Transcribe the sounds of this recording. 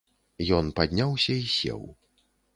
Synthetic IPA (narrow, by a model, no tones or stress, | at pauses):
jɔnpad̪ʲnʲawsʲɐisʲɛ̰w